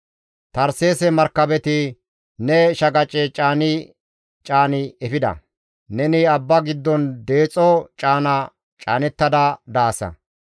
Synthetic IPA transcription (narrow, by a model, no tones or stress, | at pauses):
t̪ɐɾseːsɛmɐɾkːɐbɛt̪ɪ | nɛʃɐɡɐt͡ʃʼɛt͡ʃʼaːnɪ | t͡ʃʼaːnɪɛfɪd̪ɐ̰ | nɛnɪɐbːɐɡɪd̪ːɔnd̪e̞ːt͡sʼɔt͡ʃʼaːnɐ | t͡ʃʼaːnɛt̪ːɐd̪ɐd̪aːsɐ̰